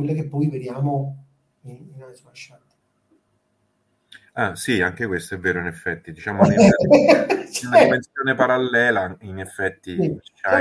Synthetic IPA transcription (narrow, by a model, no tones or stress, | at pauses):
welːakepːɔjved̪jaːmo | ininasuaʃat̪e̥ | asiaŋk̟ekwest̪oɛvːeːɾoinɛfːɛt̪ːid̪it͡ʃaːmo | unaimensjoːnepaɾalːɛːlainefːɛt̪ːit͡ʃt͡ʃa